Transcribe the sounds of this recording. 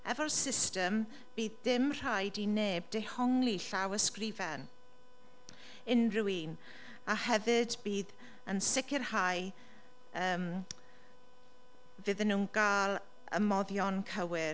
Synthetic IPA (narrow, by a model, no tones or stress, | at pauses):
ɛvɔlsɪstəm | b̥iːðdɪmr̥ajdineːbdehɔŋliɬawəskrivɛn | ɪnruiːn | ahɛvɨdbiːð | ənsɪkʰɪrhaj | əːm | vɨðənːuːnɡ̥aːlˠ | ə̰mɔðjɔnkʰəwɪ